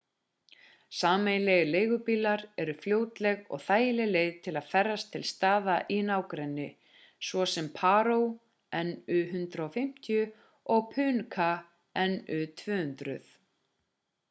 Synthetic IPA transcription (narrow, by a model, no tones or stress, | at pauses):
saːmejlɛɣleːjɣʏpiːlaɾɛɾʏfljoːwt̪lɛɣɔ̰ɣθaːjɪlɪleːjðt̪ʰɪlaðfɛrːast̪ʰːɪlst̪aːðaʔinawkɾɛnːɪ | svɔsɛmpʰaːɾow | ɛnːʏɦʏnt̪ɾaɔfɪm̥t̪ʰjʏ | ɔɣpʰʏːnkʰa | ɛnʏt̪ʰvʏːhʏnt̪ɾʏ̰θ